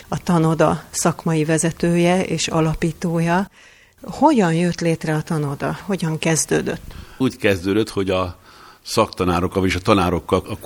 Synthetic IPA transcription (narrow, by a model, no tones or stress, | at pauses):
ɒt̪ɒno̞d̪ɒ̰sɒkmɒjivɛzɛt̪øːjɛeːʃɒ̰lɒpiːt̪oːjɒ | ho̞ɟɒnjøt̪leːt̪rɛɒt̪ɒno̞d̪ɒ̰ho̞ɟɒŋkɛzd̪øːd̪ø̰t̪ːuːckɛzd̪øːd̪øt̪ho̞ɟɒsɒkt̪ɒnaːɾokːɒljeʃɒt̪ɒnaːɾo̞kːɒl